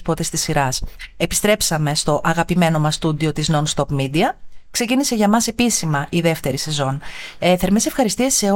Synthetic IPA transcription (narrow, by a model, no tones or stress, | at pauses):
pot̪est̪isiɾɐse̞pi̥st̪ɾe̞psɐme̞st̪o̞ʔɐɣɐpime̞no̞mɐst̪ud̪io̞t̪iznonst̪o̞pmid̪iɐkse̞cinise̞ʝɐmɐse̞pisimɐʔiðe̞ft̪e̞ɾise̞zo̞neθe̞ɾmese̞fxɐɾist̪iɐse̞o